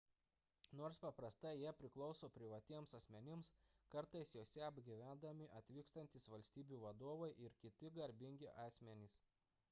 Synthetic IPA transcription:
noːɾspɐpɾɐst̪ɐɪjiɛpʲɾʲɪklˠɒʊsoːpʲɾʲɪʋɐt̪ʲiɛmsɐsʲmʲɛnʲɪmskɐɾt̪ɐɪsjoːsʲɛɐbʲɡʲiʋʲænd̪ɐmʲɪʔɐt̪ʲʋʲiːkst̪ɐnʲt̪ʲisʋɐlʲsʲt̪ʲiːbʲuːʋɐd̪oɔʋɐɪʔɪɾkʲɪt̪ʲɪɡɐɾʲbʲɪŋʲɡʲɪʔɑːsʲmʲɛnʲis

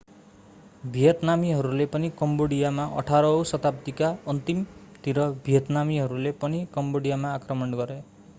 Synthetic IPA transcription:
bʱijʌt̪namiɦɔɾulepɔnikɔmboɽijamaʔɔ̰ʈʰaɾɔwsɔt̪apt̪ikaʌnt̪imt̪iɾɔbʱijɔt̪namiɦɔɾulepɔnikɔmboɽijamaːkɾɔmɔɳɡɔɾe

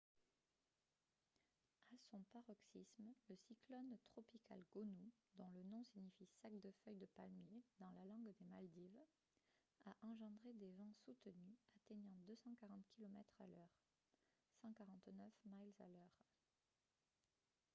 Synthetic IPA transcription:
asɔ̃paʁɔksismləsiklɔnt̪χɔpika̰lɡɔnu | d̪ɔ̃lənɔ̃siɲifisakd̪əfœjd̪əpalmjed̪ɑ̃lalɑ̃ɡd̪emald̪iv | aʔɑ̃ʒɑ̃d̪ʁed̪evɛ̃sut̪ənyat̪eɲɑ̃d̪øsɑ̃kaʁɑ̃t̪kʲilɔmɛt̪χalœʁ | sɑ̃kaʁɑ̃t̪nœfmajlza̰lœʁ

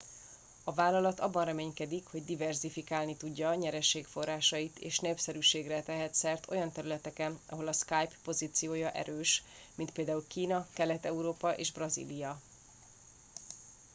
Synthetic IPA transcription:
ɒvaːlɒlɒt̪ɒ̰bːɒnrɛmeːɲkɛd̪ikho̞ɟd̪ivɛrzifikaːlnit̪uɟːɒɲɛɾɛʃeːkfo̞rːaːʃɒjit̪eːʃneːpsɛɾyʃeːɡrɛt̪ɛɦɛt̪sɛrt̪ʰo̞̰jɒnt̪ɛɾylɛt̪ɛkɛnɒ̰ɦo̞lɒskajpːo̞ziːt̪sijoːjɒʔɛ̰ɾøːʃ | mint̪peːld̪aːulkiːnɒkɛlɛt̪ɛuɾoːpɒʔḛːʒbrɒzḭlijɒ

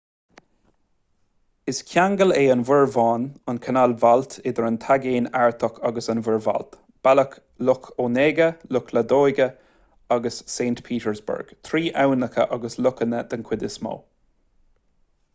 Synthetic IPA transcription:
ɪskʲʰjaŋɡəleːənvɪɹvɑːnənkʰənalvalt̪ʰɪd̪əɹənt̪ʰaɡeːnaɹt̪ʰɔkʰaɡəsənvɪɹva̰lt̪ | b̥alək | lʊkʰoːneːɡəlʊkʰləd̪oːjɡə | aɡəsːeːnt̪pʰiːtəɹzbə̰ɹɡ̥t̪ʰɾiːʔawnəkʰə̰ʔaɡəslʊkənəd̪̥ənkʰwɪd̪ɪsmo̰ː

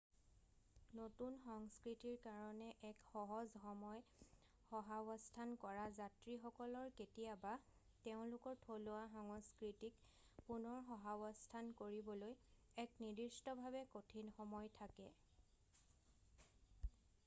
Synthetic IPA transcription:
notunxɔŋskɹitiɹkaɹɔnɛʔɛkxɔɦɔzxɔmɔj | xɔɦabɔstʰankɔɹazatɹixɔkɔlɔɹketijaba | teʊ̃lʊkɔɹtʰolʊaxɔŋskɹitik | punɔɹxɔɦabɔstʰankoɹibɔloj | ɛknidistɔbʱabɛkotʰinxɔmɔjtʰakɛ

